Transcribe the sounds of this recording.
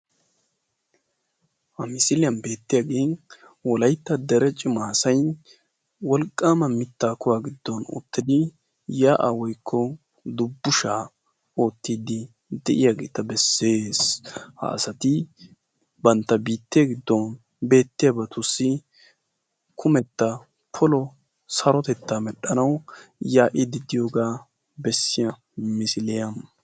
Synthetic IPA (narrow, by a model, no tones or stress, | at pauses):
hɐmɪsɪlɪjɐnbe̞ːt̪ːɪjaɡeːn | wɔlɐjt̪ːɐd̪ɛɾɛt͡ʃʼɪmaːsɐjn | wɔlkʼːaːmɐmɪt̪ːaːkʊwaːɡɪd̪ːɔnʊ̰t̪ːɪd̪ɪ | jaːʔawɔjkʰːɔ | d̪ʊbːʊʃaː | o̞ːt̪ːiːd̪ɪ | d̪ɛʔɪjaːɡeːt̪ɐbɛsːe̞ːshɐ̰ːsɐt̪ɪ | bɐnt̪ːɐbiːt̪ːɪɐɡɪd̪ːɔn | be̞ːt̪ːɪjɐbɐt̪ʊsːɪ | kʰʊmɛt̪ːɐ | pʰɔlɔ | sɐɾɔt̪ɛt̪ːaːmɛɗːɐnɐwjaːʔɪd̪ɪd̪ɪjoɡaː | bɛsːɪjɐ | mɪsɪlɛjɐm